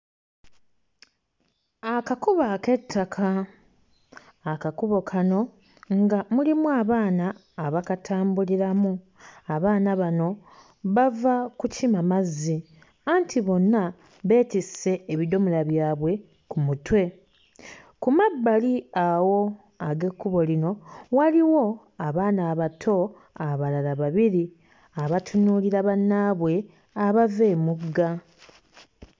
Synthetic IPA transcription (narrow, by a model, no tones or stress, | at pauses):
akakuβake̞tʰːakʰa | kakuβo̞kʰano̞ | ŋɡamulimuaːβaːnaː | βakatʰaːmbuliɾamu | aβaːnaβano̞ | βavakucimamazːi | aːntʰiβo̞nːa | βe̞ːtise̞ːβido̞mulaβjaːβwe̞ | kumutwe̞ | kumabːaliawo̞ | aɡe̞kːuβo̞lino̞waliwo̞ | aβaːnaːβatʰo̞ | aβalalaβaβiɾi | aβatʰunuːliɾaβanːaβwe̞ | aβave̞ːmuɡːa